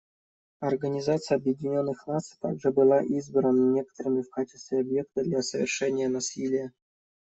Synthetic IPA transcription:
ɐrɡɐnʲizat̪sɨjəɐbjɪdʲɪnʲonːɨxnat̪sɨ̥t̪a̰ɡʐɨbɨlˠɑʔizbɾənənʲekə̥t̪əɾɨmʲɪfkat͡ɕɪ̥st̪vʲeɐbjekt̪əd̪lʲasəvʲɪ̰rʂɛnʲɪjənasʲilʲɪjə

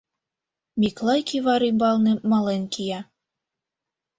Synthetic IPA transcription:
mʲiklˠɑjkʲiβɑɾibɑlˠnĕmɑlenkʰijɑ

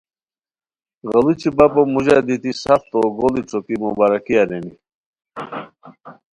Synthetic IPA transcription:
ɣɐlut͡ɕʰibapomuʑad̪it̪isaft̪oɡolit͡sʰokimubaɾakiaɾeni

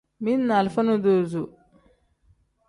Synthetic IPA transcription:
minnɐlfɐnud̪oːzu

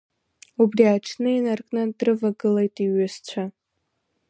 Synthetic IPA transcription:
ubriat͡ʃʰnɨinarkʼnɨdrɨvaɡɨlejtʼiɥɨzt͡ɕʷʰa

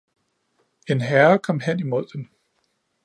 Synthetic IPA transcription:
e̝nɦæɐkʰɒ̽mɦen̰imo̝ð̞̰ˠd̥em

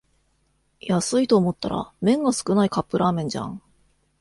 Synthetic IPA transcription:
jasɨit̪o̞ːmo̞t̪ːaɾa̰mẽ̞ŋɡasɨ̥kɯ̟naikapːɯ̟ɾʔaːmẽ̞ɲ̟d͡ʑã̰ŋ

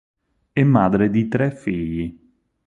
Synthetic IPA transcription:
ɛmːaːd̪ɾed̪it̪ɾɛfːiʎːi

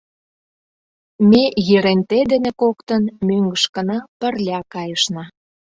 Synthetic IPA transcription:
mejiɾent̪ed̪enekokt̪ənmøŋɡəʃkə̆nɑpə̆rlʲɑkɑjəʃnɑ

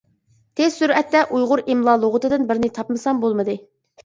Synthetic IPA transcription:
t̪ʰezsuɾɛt̪ːɛʔujʁʊɾimlˠɑːlˠoʁʊt̪ɨd̪ɨnbɪɾnɪt̪ʰɑpmɨsɑmbolˠmɨd̪ɨ

